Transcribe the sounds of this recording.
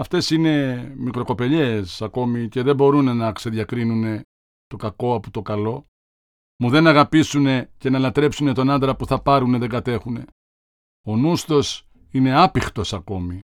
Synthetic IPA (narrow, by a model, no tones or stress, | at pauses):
ɐft̪e̞sine̞mikɾo̞ko̞pe̞ʎe̞sɐko̞mice̞ðebo̞ɾune̞nɐkse̞ðʝɐkɾinune̞ | t̪o̞kɐko̞ɐput̪o̞kɐlo̞ | muðe̞nɐɣɐpisune̞ce̞nɐlɐt̪ɾe̞psune̞t̪o̞nɐnd̪ɾɐpuθɐpɐɾuneðe̞ŋɡɐt̪e̞xune̞ | o̞nust̪o̞s | ine̞ɐpixt̪o̞sɐko̞mi